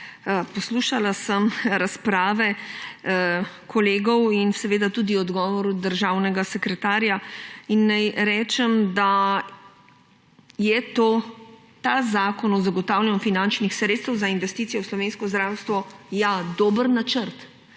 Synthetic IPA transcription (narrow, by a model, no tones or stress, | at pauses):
pɔsluːʃalasəmɾaspɾaːʋɛ | kʰɔleːɡɔwinsɛʋeːd̪at̪uːd̪iɔd̪ɡɔːʋɔɾud̪əɾʒaːwnɛɡasɛkɾɛt̪aːɾjainːajɾɛːt͡ʃɛmd̪a | jɛt̪oː | t̪azaːkɔnɔzaɡɔt̪awlɛnufinant͡ʃnixsɾet̪st̪əwzainʋɛst̪iːt̪sijɔwslɔʋeːnskɔzd̪ɾaːwst̪ʋɔjad̪oːbəɾnat͡ʃəɾt̪